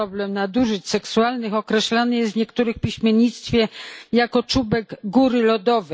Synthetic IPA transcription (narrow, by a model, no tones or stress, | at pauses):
ɔblɛmnad̪uʐɘt͡ɕsɛksualnɘxɔkɾɛɕlanɘjɛsɲɛkt̪uɾɘxpʲiɕmʲjeɲit̪st̪fʲjɛjakɔt͡ʂubɛɡɡuɾɘlɔd̪ɔvɛ